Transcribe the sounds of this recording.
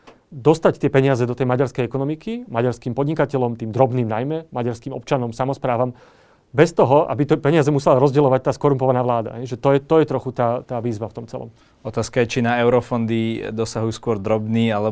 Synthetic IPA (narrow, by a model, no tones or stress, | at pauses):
d̪ɔst̪act̪ɪɛpɛɲɪazɛd̪ɔt̪ɛjmaɟaɾskɛjɛkɔnɔmikimaɟaɾskiːmpɔd̪ɲikacɛlɔmt̪iːmd̪ɾɔbniːmnajmɛmaɟaɾskiːmɔ̰p̚t͡ʃanɔmsamɔspɾaːʋam | bɛst̪ɔɦɔʔa̰bit̪ɔpɛɲɪazɛmusɛlaɾɔzɟɛlɔʋac̚t̪aːskɔɾumpɔʋanaːʋlaːd̪a̰ɦɛjʒɛt̪ɔjɛt̪ɔjɛt̪ɾɔxut̪aːt̪aːʋiːzʋaft̪ɔmt͡sɛ̰lɔ̰m | ɔt̪aːskajɛt͡ʃinaɛʊɾɔfɔnd̪id̪ɔsaɦujuːskʊɔɾd̪ɾɔbniːalɛ